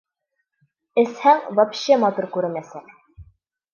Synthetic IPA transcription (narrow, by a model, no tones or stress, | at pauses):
ɘ̆shæŋvɑpɕemɑt̪uɾkʉɾɘ̆nmæsæk